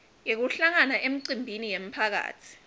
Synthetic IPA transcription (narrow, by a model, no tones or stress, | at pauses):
jek̬uɬaŋanaʔem̩ǀimbʱinijem̩pʰak̬a̰ːtʰi̥